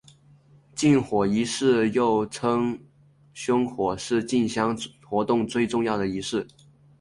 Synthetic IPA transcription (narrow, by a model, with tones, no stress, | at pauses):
t͡ɕi˥˩nxwɔ˨˩i˧˥ʂɻ̩˥˧jo˥˩ʊʈ͡ʂʰɤ˥ŋ | ɕjʊ˥ŋxwɔ˨˩ʂɻ̩˥˧t͡ɕi˥˩nɕjɑ˥ŋxwɔ˧˥t̪ʊ˥˧ŋt͡swe˥˧ɪʈ͡ʂʊ˥˧ŋjɑ˥˩ʊd̪ə˩i˧˥ʂɻ̩˥˩